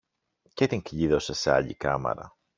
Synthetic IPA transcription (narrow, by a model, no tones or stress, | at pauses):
cet̪iŋkʎiðo̞se̞seɐ̰ʎḭkɐ̰mḛɾɐ̰